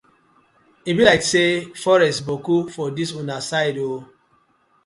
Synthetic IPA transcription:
ibilaɪksefɔɾɛstbokufɔdisunasaɪdo

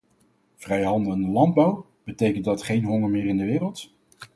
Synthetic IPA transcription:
v̥rɛjɦɑndəəndəlɑnd̚bɑw | b̥ətejkəntdɑtχejnɦɔŋəɹmɪːrɪndəʋɪːrəlˠt

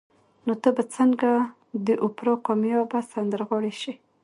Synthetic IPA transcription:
not̪əbat͡səŋɡa | d̪əʔʊpɾɑqɑmjɑbasand̪əɾɣɑɽeʃi

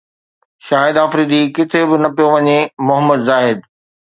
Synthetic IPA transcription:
ʃaːɦɪd̪aːfɾiːd̪ikɪt̪ʰebɪnɐpijoʋɐɲemʊɦəmːəd̪zaːɦɪd̪̚

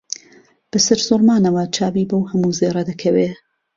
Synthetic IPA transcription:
b̥ɨsɨɾz̥ʊɾmaːnɐwɐt͡ʃʰaːbiːbɐwhɐmuːzeːɾɐd̪ɐkʰɐweː

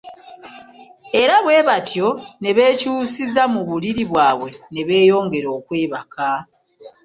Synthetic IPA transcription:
e̞ɾaβwe̞ːβatjo̞ne̞βe̞ːcuːsizamuβuliɾiβwaːβwe̞ne̞βe̞ːjo̞ːŋɡe̞ɾo̞ːkwe̞ːβaka

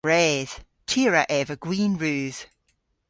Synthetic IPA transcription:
ɹɛːz̥ | tʰiəɹəʔɛvəɡ̥wĩːnɹʉːz̥

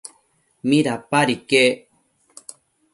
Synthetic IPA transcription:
mĩɾapaɾike

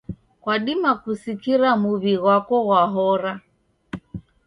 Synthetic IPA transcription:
kwaɗimakusikiɾamuβiɣwakɔɣwaɦɔɾa

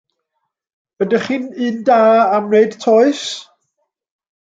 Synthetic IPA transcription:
ədəχinɨndaːamnejd̥tʰɔɨs

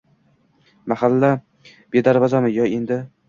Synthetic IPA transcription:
mahalːa | b̥e̞d̪aɾvazamɪjɒend̪ɪ

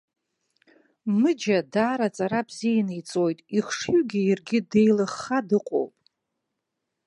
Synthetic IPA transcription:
mɨd͡ʒadaːɾat͡sʼaɾabzijanɨjt͡sʼo̞jtʼiχʂjɥɡʲijarɡʲɪdejlɨχːadɨqʷʼo̰wpʼ

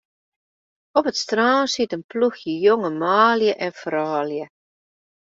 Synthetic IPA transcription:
ɔpətstraːnsitənpluxjəjoŋəmaːljəʔɛnfraːljə

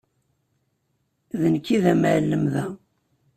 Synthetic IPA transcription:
ðənkːiðæməʕlːəmðæ

